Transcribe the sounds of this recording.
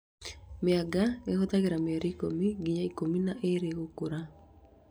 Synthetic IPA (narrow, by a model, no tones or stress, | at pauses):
mɪaɡaɡehot̪aɡeɾamɪaɾikomiɡiɲaikominaʔeɾeɣokuɾa